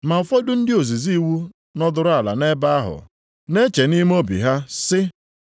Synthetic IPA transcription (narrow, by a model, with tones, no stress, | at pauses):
ma˨ʊ˨fɔ˦dʊ˦n̩˦dɪ˦o˨zi˨zi˦˨wu˦ | nɔ˦dʊ˨ɾʊ˦a˨la̰˨ne˦ba˦a˦ɦʊ̰˨ | ne˦t͡ʃe˨ni˦m˦o˦bḭ˨ɦa˦sɪ˦